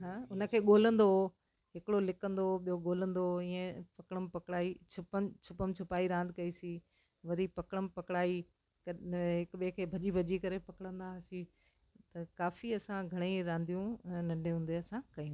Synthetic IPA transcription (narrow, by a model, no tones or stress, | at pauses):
ɦãːʊnə̆kʰeːɠoːlə̃nd̪o | ɦɪkɪɽolɪkə̃nd̪oɓijoɠoːlə̃nd̪oĩːə̃pɐkɽəmpɐkɽaːit͡ʃʰʊpət͡ɕʰʊpəmt͡ɕʰʊpaːiɾãːnd̪ʱɪkɐisi | ʋɐɾipɐkɽ̃əmɪpɐkɽaːi | kɐɦɪkɓiẽkʰeːbʱɐʄibʱɐʄikɐɾepɐkɽ̃ə̃nd̪asi | t̪ɐkaːfiɐsãɡʱɐɽ̃ĩɾãːnd̪ijũnɐ̃ɳɖʱeɦũːn̆d̪eɐsãkɐĩ